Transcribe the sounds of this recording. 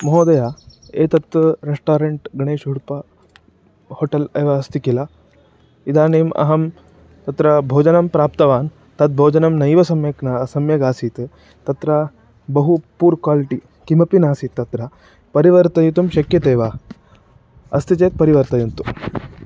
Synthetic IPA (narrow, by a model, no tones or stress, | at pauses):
mɐɦoːd̪ɐjaː | eːt̪ɐt̪ɐɾesʈaːɾeɳʈɡɳeːʃɦuɽpɐ | hoːʈɐlɐjʋaɐst̪ikila | id̪ʱaːneːmɐ̰ɦɐm | t̪ɐt̪ɾɐbʱoːd͡ʒɐnɐmpɾaːp̚t̪ɐʋaːn | t̪ɐt̪̚bʱoːd͡ʒɐnɐmnɐjʋɐsɐmjɐknasɐmjɐɡaːsiːt̪ | t̪ɐt̪ɾɐ | bɐɦupuːɾkwaːliʈi | kimɐpinaːsiːt̪ːɐt̪ɾɐ | pɐɾiʋɐɾt̪ɐjit̪umʃɐkjɐt̪eːʋaː | ɐst̪it͡ʃeːt̪̚pɐɾiʋɐɾt̪ɐjunt̪u